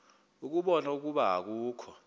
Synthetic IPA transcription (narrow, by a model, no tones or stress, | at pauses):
uk̬uɓɔnauk̬uɓaɦa̰k̬uːkʰɔ